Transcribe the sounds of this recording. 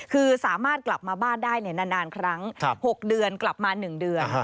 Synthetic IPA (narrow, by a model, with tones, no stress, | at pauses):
kʰɯː˧saː˩˦maː˥˩t̪̚kla˨˩p̚maː˧baː˥˩ndaː˥˩jni˥˩naː˧naː˧nkʰɾa˦˥ŋʰho˨˩k̚dɯ˨˧ənkla˨˩p̚maː˧nɯ˨˩ŋdɯ˨˧ən